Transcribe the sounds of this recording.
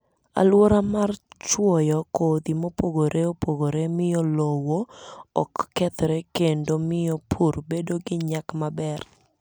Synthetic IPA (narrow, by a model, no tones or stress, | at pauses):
a̰lwoɾamart͡ʃwɔjɔkod̪imopoɡoɾʔeopoɡoɾemɪjɔlowoɔ̰kːɛt̪ɾekendomɪjɔpʰurbedoɡɪɲakmabɛr